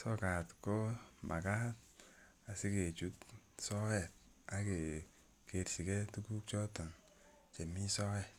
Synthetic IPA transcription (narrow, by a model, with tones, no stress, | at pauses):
sɔ˦ka˨tko˦mʔa̰˨ka˦t̚ | a˨si˦ke˨t͡ʃu˦tsɔ˦wɛ˨t̚ | a˨ke˨ | ke˨tsi˨ke˦tu˦ku˦k̚t͡ʃɔ˦tɔ˨n | t͡ʃe˨mi˦sɔ˦wɛ˨t